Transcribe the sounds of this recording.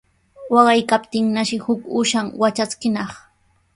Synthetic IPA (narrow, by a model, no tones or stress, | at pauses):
wɑɢɑjkapt̪ɪŋnaʃɪhʊkʊʃaŋwat͡ʃat͡skɪnɑχ